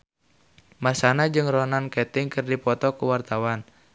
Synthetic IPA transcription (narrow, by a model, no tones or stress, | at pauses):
masanad͡ʒɨŋrɔnankɛt̪ɪŋkɨrdipɔt̪ɔkuwart̪awan